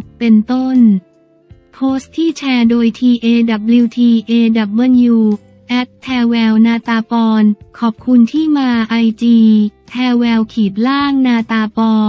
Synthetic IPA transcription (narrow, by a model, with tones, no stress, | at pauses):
pe˧nt̪o˥˩n | pʰoː˦˥st̪ʰːiː˥˩t͡ɕʰɛː˧doː˧jt̪ʰiː˧ʔeː˧da˨˩p̚li˧wt̪ʰiː˧ʔeː˧da˨˩p̚mɤ˧˥njuː˧ | ʔɛ˦˥t̪̚t̪ʰːɛː˧wɛː˧wnaː˧t̪aː˧pɔː˧nkʰɔː˨˩p̚kʰu˧nt̪ʰiː˥˩maː˧ʔa˧jt͡ɕiː˧t̪ʰɛː˧wɛː˧wkʰiː˨˩t̪̚laː˥˩ŋnaː˧t̪aː˧pɔː˧